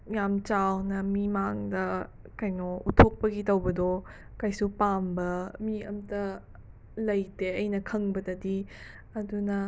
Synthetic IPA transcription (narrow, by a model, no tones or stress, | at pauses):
jamt͡ʃawnɐmimaŋdɐ | kajnɔṵtʰok̚pɐɡitɐwbɐdɔ | kajsupambɐmiɐ̰mtɐ | lɐjteɐjnɐkʰɐŋbɐdɐdi | ɐdunɐ